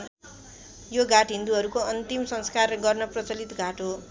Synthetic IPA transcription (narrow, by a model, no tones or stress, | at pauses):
joɡaʈɦind̪uɦʌɾukoʌnt̪imsʌŋskarɡʌrnʌprʌt͡sʌlit̪ɡaʈo